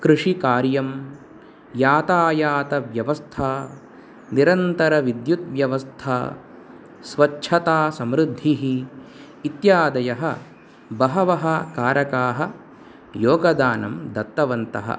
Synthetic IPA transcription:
kɾɨʂikaːɾjɐm | jaːt̪aːjaːt̪ɐʋjɐʋɐst̪ʰaː | niɾɐnt̪ɐɾɐʋid̪jut̪̚ʋjɐʋɐst̪ʰaː | sʋɐt͡ʃːʰɐt̪aːsɐmɾud̪ʱːiɦiː | t̪jaːd̪ɐjɐɦɐ̰ | bɐɦɐʋɐɦɐkaːɾɐkaːɦɐ̆ | joːɡɐd̪aːnɐmd̪ɐt̪ːɐʋɐnt̪ɐ̰ɦɐ̰

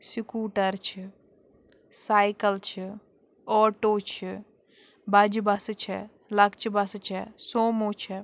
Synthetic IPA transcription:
sikuːʈəɾt͡ʃʰi | saːjkəlt͡ʃʰi | ɔːʈoːt͡ʃʰi | bɐd͡ʒbɐst͡ʃʰɛ | lɐkt͡ʃʰbɐst͡ʃʰɛsoːmoːt͡ʃʰɛ

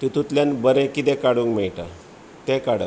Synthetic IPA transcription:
t̪it̪ut̪ljanbəɾẽkit̪ẽkaɽuŋkmɛjʈa̰ | t̪ekaɽə̰

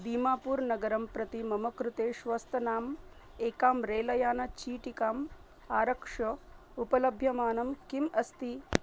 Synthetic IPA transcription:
d̪iːmaːpuːɾnɐɡɐɾɐmpɾɐt̪imɐmɐkɾut̪eːʃʋɐst̪ʰɐnaːm | eːkaːmɾeːlɐjaːnɐt͡ʃiːʈikaːm | aːɾɐkʂɐ | upɐlɐbʱjɐmaːnɐmkimɐst̪i

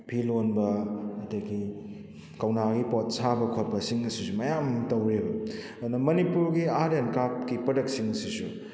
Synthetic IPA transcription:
pʰilonbɐɐteɡi | kɐwnaɡipot̚sabɐkʰot̚pɐsiŋɐsisumɐjamtɐwɾebɐ | nɐmɐnipuɾɡiaɾenkap̚kipɐdɐk̚t̚siŋɐsisu

